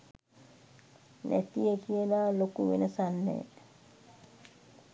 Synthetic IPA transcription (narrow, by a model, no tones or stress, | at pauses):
næ̰t̪ijəkijəlaːlokuʋenəsanːḛ